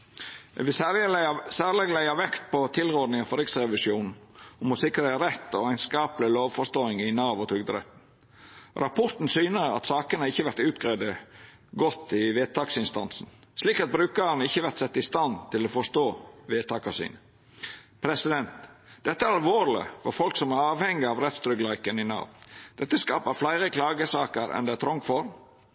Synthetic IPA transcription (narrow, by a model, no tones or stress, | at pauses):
ʋɪ | sæːɾlɛɡlæɪɑʋɛkt̪̚pɔt̪ʰɪlʁɔd̪nɪŋɑfɔɾɪksɾɛʋɪsjuːnn̩ | ɔmɔsɪkɾeɾɛt̪ːɔæɪnskɑːpəlɪloːʋfɔst̪oːɪŋɪnɑːʋɔt̪ʰɾʏɡd̪əɾɛ̰t̪n̩ | ɾɑpʰɔɾt̪n̩syːnəɾɑ̰t̪sɑːkənɑɾɪçːəʋæɾt̪ʉːt̪ɡɾæːd̪ə | ɡɔt̪ːɪʋeːt̪ʰɑːksɪnst̪ɑ̰nsn̩ | sliːkɑt̪̚bɾʉːkənɪçːəʋæɾt̪sɛt̪ːəɪst̪ɑnt̪ʰɪlɔfɔst̪oːʋeːt̪ɑːkɑsḭːnə | pʰɾɛsɪd̪ɛnt̪d̪̥ɛt̪ːəæɾɑlʋoːɾlɪ̰fɔɾfɔlksɔmæɾɑːʋhɛŋːɪɑʋɾɛt̪st̪ɾʏɡlɑɪkənɪnɑ̰ːʋd̪̥ɛt̪ːəskɑːpəɾflæɪɾəkʰlɑːɡəsɑːkəɾɛ̰nd̪ɛæt̪ʰɾɔŋfɔɾ